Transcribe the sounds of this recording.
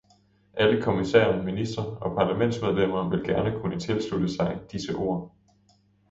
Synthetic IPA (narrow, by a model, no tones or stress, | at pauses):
ʔæləkʰo̝misḛːɐnminisd̥ʁɐɒ̽pʰɑ̈læmen̰dsmeð̞ˠlem̰ɐːʋe̝lɡ̥æɐnəkʰunət͡sʰe̝lslud̥əsɑ̈ɪd̥isəʔo̝̰ːɐ